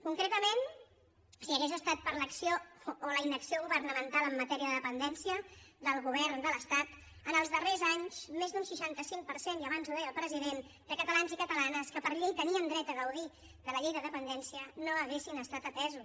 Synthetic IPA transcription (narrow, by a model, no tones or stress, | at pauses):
kuŋkɾet̪əmen | siəɣezəst̪at̪̚pəɾləksioːləinəksioɣuβərnəmənt̪alˠəmːət̪ɛɾiəðəðəpənd̪ɛnsiəd̪əlˠɣuβ̞ɛɾnd̪ələst̪at̪ | ənəlˠzðərezaɲsmezd̪unsiʃant̪əsiŋpəɾseniəβ̞anzuðeəlˠpɾəziðen | d̪əkət̪əlanzikət̪əlanəskəpəɾʎejt̪əniənd̪ɾɛt̪əɣəwði | kələʎejðəðəpənd̪ɛnsiənoəɣesinəst̪at̪ət̪ɛzu